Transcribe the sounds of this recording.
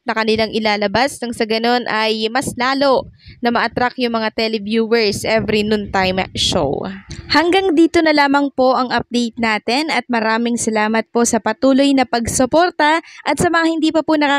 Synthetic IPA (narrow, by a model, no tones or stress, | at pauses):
nɐkɐnɪlaŋʔɪlaːlɐbasnɐŋsɐɡɐno̞nʔɐjmɐslaːlo̞nɐmɐʔɐt̪ɾakjʊŋmɐŋat̪ɛlɛbjuːwɛɹsʔɛvɾinʊnt̪ajmʃo̰whɐŋɡaŋd̪iːt̪o̞nɐlaːmɐŋpo̞ʔɐŋʔɐp̚d̪ɛjt̪̚naːt̪ɛnɐt̪̚mɐɾaːmɪŋsɐlaːmɐt̪̚po̞sɐpɐt̪uːlo̞jnɐpɐɡsopo̞ːɾt̪ɐʔɐt̪sɐmɐŋahɪnd̪iːpɐpʊnɐkaː